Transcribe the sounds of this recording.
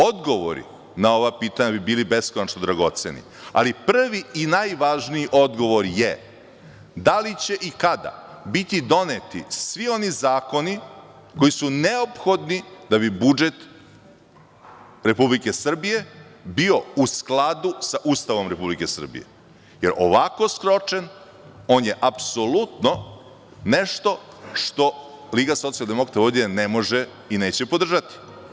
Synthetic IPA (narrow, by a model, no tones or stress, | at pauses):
o̞d̪ɡo̞ʋo̰ɾḭ | nao̞ʋapiːt̪aɲabibiːlibe̞skonat͡ʃnod̪ɾaɡo̞t̪se̞̰nḭ | a̰lipr̩ʋiinajʋaʒnijiʔo̞d̪ɡo̞ʋo̞ɾje | d̪alit͡ɕe̞ʔikad̪a̰bit̪id̪o̞net̪isʋio̞nizaːko̞ni | ko̞jisuneopxo̞d̪nid̪aβibud͡ʒe̞t̪ | ɾe̞publike̞sr̩bije̞bio̞usklad̪usaʔuːst̪aʋo̞mɾe̞publike̞sr̩bḭje̞̰ | je̞ɾʔo̰ʋako̞skɾo̞t͡ʃen | o̞ːnje̞ʔapso̞lut̪no̞ | ne̞ʃt̪o̞ʂt̪o̞liːɡaso̞t̪sijald̪e̞mokɾat̪aod̪ienemo̞ʒe | ine̞ːt͡ɕepo̞d̪r̩ʒat̪i̥